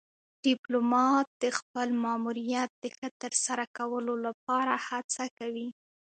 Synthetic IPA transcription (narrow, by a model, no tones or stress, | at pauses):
ɖ̥ɪplomɑt̪̚d̪əxpəlmɑmuɾijat̪̚d̪̥əxət̪əɾsaɾakawəlolap̚ɑɾahat͡sakawi